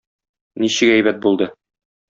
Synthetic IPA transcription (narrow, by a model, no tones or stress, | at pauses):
niɕɘkæjbæt̪̚bulˠd̪ɤ